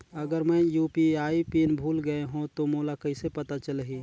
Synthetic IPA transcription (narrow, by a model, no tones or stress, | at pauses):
ɐɡəɾmɛ̃juːpiaːipiːnbʱuːlɡəeɦũt̪omoːlakəisepɐt̪at͡ʃəlɦiː